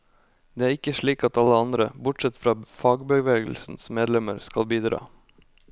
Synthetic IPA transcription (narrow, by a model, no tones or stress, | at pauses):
d̪̥eːæːɾɪkəʂɭiːkɑt̪ɑləɑnd̪ɾəbʊʈsɛt̪fɾɑːfɑːɡbəʋeːɡl̩sn̩smeːd̪lɛməɾskɑlbiːd̪ɾɑ̰ː